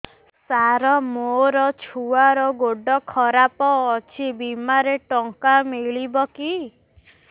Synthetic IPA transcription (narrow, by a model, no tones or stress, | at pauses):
saɾɔmoɾɔt͡ʃʰuaɾɔɡoɖɔkʰɔɾapɔːt͡ʃʰibimaɾeʈɔŋkamiɭibɔki